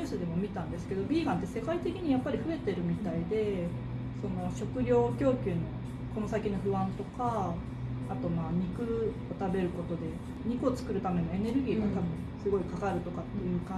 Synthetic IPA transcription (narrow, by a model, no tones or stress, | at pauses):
sɨd̪e̞mo̞mʲit̪ãnd̪e̞sɨ̥ke̞d̪o̞bʲiːɡãnt̪ːe̞se̞kait̪e̞kʲiɲ̟ijapːaɾʲiɸɯ̟e̞t̪e̞ɾɯ̟mʲit̪aid̪e̞ | so̞no̞ɕo̞kɯ̟ɾʲo̞ːkʲo̞ːkʲɨːno̞ | ko̞no̞sakʲino̞ɸɯ̟βãnt̪o̞kaː | t̪o̞maːɲ̟ikɯ̟ | ot̪abe̞ɾɯ̟kot̪o̞d̪e̞ | ɲ̟ikɯ̟o̞t͡sɨ̥kɯ̟ɾɯ̟t̪ame̞no̞e̞ne̞ɾɯ̟ɡʲiːɡat̪abɯ̟̃sɨɡo̞ikakaɾɯ̟t̪o̞kat̪ːe̞jɯ̟ːkã